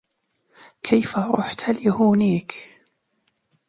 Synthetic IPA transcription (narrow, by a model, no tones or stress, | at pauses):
kʰajfaɾˤʊ̰ħt̪aljahuːniːk